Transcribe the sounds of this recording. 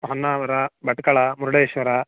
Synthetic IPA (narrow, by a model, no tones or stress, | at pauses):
ɦɔnːaːʋɐɾɐbɐʈkɐɭɐmuɾuɽeʃʋɐɾɐ